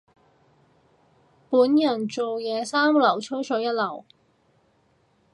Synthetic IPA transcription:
puː˨˥njɐ˨˩nt͡so˨wjɛː˨˧saː˥mlɐ˨˩wt͡ʃʰɵ˥wsɔː˨˥jɐ˥t̚lɐ˨˩w

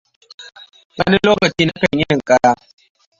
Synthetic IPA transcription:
wɐ˦ni˦loː˦kɐ˨t͡ʃiː˦na˦kɐ˨ɲjɪ˦nɪ˨ŋkʼa˦ɽaː˦

